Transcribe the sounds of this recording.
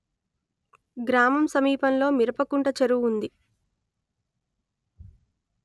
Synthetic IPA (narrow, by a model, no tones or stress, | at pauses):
ɡɾaːmɐmsɐmiːpɐnlo̞ːmiɾɐpɐkuɳʈɐt͡ʃɐɾuund̪i